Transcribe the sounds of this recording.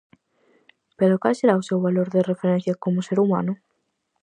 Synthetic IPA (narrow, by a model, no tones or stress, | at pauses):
peɾokalseɾaʊsewβaloɾðerefeɾẽn̟θjɐkomʊseɾuma̰nʊ